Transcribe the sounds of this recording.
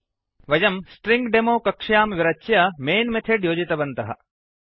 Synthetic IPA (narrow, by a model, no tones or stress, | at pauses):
ʋɐd͡ʒɐmsʈɾiŋɡɖemoːkɐkʂjaːmʋiɾɐt͡ʃjɐmeːnmet̪ʰeɖjoːd͡ʒit̪ɐbɐnt̪ɐɦɐ̰